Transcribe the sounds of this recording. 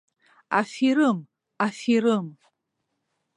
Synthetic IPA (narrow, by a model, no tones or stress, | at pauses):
a̰fiɾɨm | afiɾɨm